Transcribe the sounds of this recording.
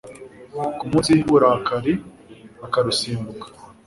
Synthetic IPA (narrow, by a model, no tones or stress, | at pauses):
kumuːsihiβuɾakaɾe | akaɾusiːmbukḁ